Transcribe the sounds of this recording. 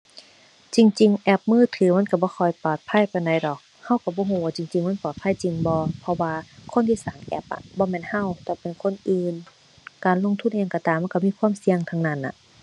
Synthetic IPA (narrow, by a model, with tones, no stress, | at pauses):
t͡ɕi˧ŋt͡ɕi˨˧ŋʔɛ˧˩p̚mɯː˧˥˨t̪ʰɯː˨˦ma˧˥˨nka˧˩bɔː˧˦kʰɔː˧˩jpɔː˨˩t̪̚pʰa˧˥˨jpa˨jnɔ˨˩jdɔː˨˩k̚ | ha˧˥˨wka˧˩bɔː˧˦ɦuː˧˦waː˧˩t͡ɕi˨ŋt͡ɕi˨ŋma˧˥˨pɔː˨˩t̪̚pʰa˧˥˨jt͡ɕi˨ŋbɔː˧˦pʰɔ˧waː˧kʰo˧˥˨nt̪ʰiː˧saː˨˦ŋʔɛ̰˧˩p̚ʔa̰˧˩ʔbɔː˧˦mɛː˧˨nha˧˥˨wt̪ɛː˧˩pe˨nkʰo˧˥˨nʔɯː˨n | kaː˨nlo˧˨ŋt̪ʰu˧˨nʔɲa˧ŋkɔ˧˩t̪aː˨mːa˧˥˨ka˧˩miː˧˥˨kʰwaː˧˥˨msi˧əŋt̪ʰa˧˩ŋnaː˧˩˨nʔa̰˧˩